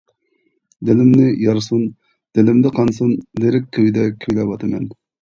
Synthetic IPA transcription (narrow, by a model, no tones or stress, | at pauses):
d̪ɪlɪmnɪjɑɾsun | d̪̥elɪmd̪ɛqʰɑnsunleɾɪkʲkʰːewid̪ɛkʲʰywlɛwɑt̪ʰɨmɛn